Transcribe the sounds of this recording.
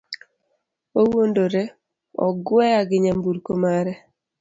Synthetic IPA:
owondoɾe | ɔ̰ɡwɛaɡɪɲambuɾkomaɾɛ

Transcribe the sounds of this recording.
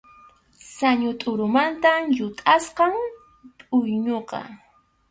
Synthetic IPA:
saɲʊt̪ʼʊɾʊmant̪ajʊt̪ʼasqɑŋ | pʼʊjɲoqɑ̰

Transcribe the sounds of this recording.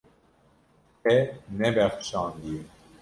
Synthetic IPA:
ɛnɛbɛxʃɑ̃ːnd̪ije

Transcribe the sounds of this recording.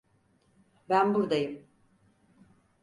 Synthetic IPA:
bænbuɾd̪ajɯm

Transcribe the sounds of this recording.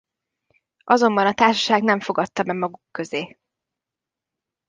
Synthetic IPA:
ʔɒzo̞mbɒnɒt̪aːʃɒʃaːɡnɛɱfoɡɒt̪ːɒmɛɡmɒɡukːø̞zeː

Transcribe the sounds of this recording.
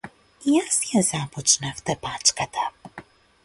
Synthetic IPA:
jasjɛzapɔt͡ʂnɛft̪ɛpat͡ʂkat̪ʰa

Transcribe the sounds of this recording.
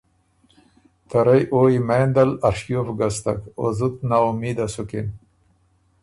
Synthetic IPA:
t̪ʰaɾajʔoːimeːnd̪alaɾʂjofɡast̪a̰ko̰zut̪naumiːd̪asukin

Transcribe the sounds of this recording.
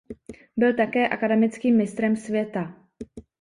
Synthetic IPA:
bɪlt̪akɛːʔakadɛmɪt͡skiːmːɪst̪ɾɛmsvjɛt̪a

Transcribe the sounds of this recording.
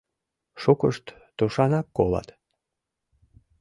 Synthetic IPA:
ʃukəʃt̪ːuʃɑnɑkːolɑ̰t̪

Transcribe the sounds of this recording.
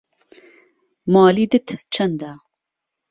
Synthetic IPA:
mɑːliːd̪ɨt̪t͡ʃʰɐnd̪a

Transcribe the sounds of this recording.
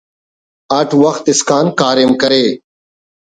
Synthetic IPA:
əʈʰʋəxt̪ɪskaːnkaːɾɪmkəɾeː

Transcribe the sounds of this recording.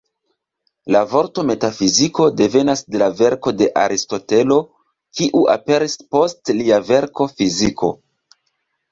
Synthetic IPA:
lavo̞ɾto̞me̞tafiziko̞de̞ve̞nasde̞lave̞ɾko̞de̞ʔa̰ɾisto̞te̞lo̞ | kiʔuʔa̰pe̞ɾispo̞stliave̞ɾko̞fizikʰo̞̰

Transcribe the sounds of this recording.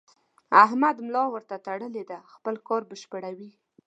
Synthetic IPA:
aɦmad̪mlɑwəɾt̪at̪aɽəled̪axpəlkɑɾbəʃpəɽawi

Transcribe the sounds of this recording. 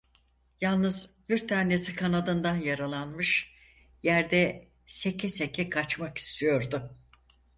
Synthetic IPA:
jalˠnɯzbiɾt̪ʰaːne̞sikʰanad̪ɯnd̪anjaɾalˠanmɯʃ | jæɾd̪ɛ | sekʰɛsekʰɛkʰat͡ʃmaki̥st̪ʰijo̞ɾd̪ʊ

